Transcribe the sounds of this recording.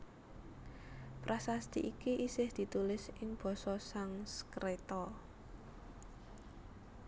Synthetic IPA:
pɾasast̪iʔikiʔisɪhd̪̥i̤t̪ulɪsɪŋb̥ɔ̤sɔsaŋskɾet̪ɔ

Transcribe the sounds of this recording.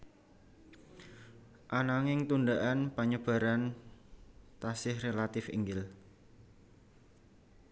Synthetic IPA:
ʔanaŋɪŋt̪uɳɖ̪aʔanpaɲəb̥a̤ɾan | t̪asɪhrelat̪ɪfḭŋɡɪl

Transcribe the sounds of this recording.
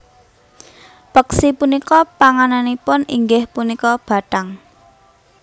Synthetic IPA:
pəksipunikɔpaŋananipʊnḭŋɡɪhpunikɔb̥a̤ʈaŋ

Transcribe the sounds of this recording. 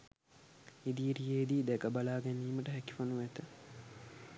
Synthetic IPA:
id̪iːɾijeːd̪iːd̪ɛkəbalaːɡɛnːiːməʈəɦæki̥fonuʋæt̪ə

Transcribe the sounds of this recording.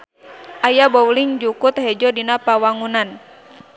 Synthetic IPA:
ʔajabɔwliŋd͡ʒukut̪̚hɛd͡ʒɔdinapawaŋunan

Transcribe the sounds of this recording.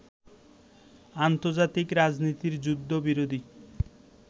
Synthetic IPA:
ant̪oɾd͡ʑat̪ikɾad͡ʑnit̪iɾd͡ʑud̪ʱːobiɾod̪ʱi

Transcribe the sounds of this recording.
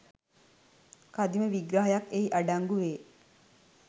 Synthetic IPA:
kad̪iməʋiɡɾaɦajakeiʔaɖaŋɡuʋeː

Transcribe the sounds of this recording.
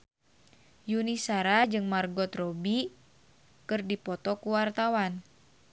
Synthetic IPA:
junisaɾad͡ʒɨŋmarɡɔt̪rɔbi | kɨrdipɔt̪ɔkuwart̪awan

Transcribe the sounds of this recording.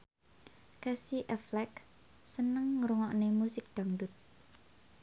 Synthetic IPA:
kasiʔɛflɛk | sənəŋːɾuŋɔʔnemusɪk̚d̪̥a̤ŋɖʊt̪̚

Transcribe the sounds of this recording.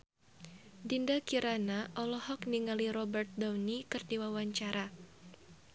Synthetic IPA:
dindakiɾanaʔɔlɔhɔkniŋaliɾɔbɛrt̪̚dawnikɨrdiwawaɲt͡ʃaɾʔa

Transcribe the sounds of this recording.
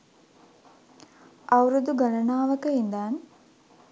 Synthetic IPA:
awɾud̪uɡalənaːʋəkəind̪aːn

